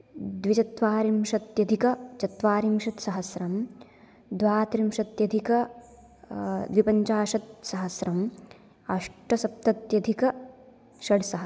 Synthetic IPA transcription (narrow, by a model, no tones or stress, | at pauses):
d̪ʋit͡ʃɐt̪ʋaːɾimʃɐt̪jɐd̪ʱikɐt͡ʃɐt̪ʋaːɾimʃɐt̪sɐɦɐsɾɐm | d̪ʋaːt̪ɾimʃɐt̪jɐd̪ʱikɐ | d̪ʋipɐɲt͡ʃaːʃɐt̪̚sɐɦɐsɾɐm | ɐʂʈɐsɐp̚t̪ɐt̪jɐd̪ʱikɐ | ʃɐɽsɐɦɐ